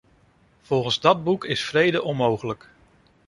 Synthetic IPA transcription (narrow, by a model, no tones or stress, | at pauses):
v̥ɔlˠχənzdɑd̚bukɪsfrejdəʔɔnmowχələk